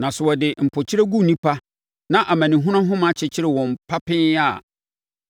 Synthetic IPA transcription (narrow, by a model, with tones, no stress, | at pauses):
nã˨sʊ˨wɔ˨dɪ˨m̩˨pʰɔ˨t͡ɕʰɪ˦ɾe˦ɡu˦˨nĩ˦pʰa˦ | nã˦˨ʔa˨mã˨nĩ˨ɦũ˦ɾ̃ã˦ɦʊ̃˦ma˨t͡ɕʰɪ˨t͡ɕʰɪ˦ɾɪ˨wɔ̃˨m˨pʰa˦pʰɪ̃˦na˨